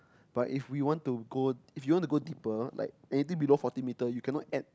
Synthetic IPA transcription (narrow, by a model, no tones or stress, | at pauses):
b̥atifwiwɔ̃ntuɡoifjuwɔ̃ntuɡodipəla̰ɪk̚ɛnit̪̬ĩŋbilofɔtĩnmitəjukʰɛ̃nɔt̚ɛt̚